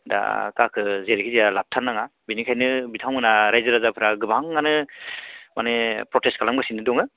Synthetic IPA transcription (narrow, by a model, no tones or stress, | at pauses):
da̰kakʰɯzeɾkʰizijalap̚tʰanːaŋabinikʰajnɯbitʰawŋɯnaɾajzɯɾazapʰɯɾaɡɯbaŋːanɯ | manepɾɔtestkʰalamɡasinɯdɔŋɯ